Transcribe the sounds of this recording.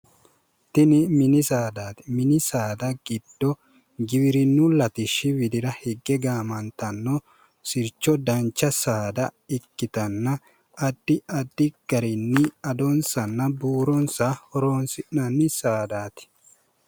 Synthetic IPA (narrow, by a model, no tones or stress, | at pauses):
t̪ɪnɪmɪnɪsaːd̪aːt̪ɪ̥mɪnɪsaːd̪ɐɡɪd̪̥ːɔ | ɡɪβɪɾɪnːʊlɐt̪ɪʃːɪwɪd̪ɪɾɐhɛɡːɛɡaːmɐnt̪ɐnːɔ | sɪɾt͡ʃːɔd̪ɐnt͡ʃːɐsaːd̪ɐɪkːɪt̪ɐnːɐ | ɐd̪ːɪɐd̪ːɪɡ̥ɐɾɪnːɪɐd̪ɔnsɐnːɐbuːɾɔnsahɔɾoːnsɪʔɐnːɪsaːd̪aːt̪ɪ̥